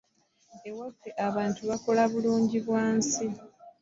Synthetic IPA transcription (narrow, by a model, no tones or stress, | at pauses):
ewafːeʔaβaːntuβako̞laβuluːɲɟiβwaːnsi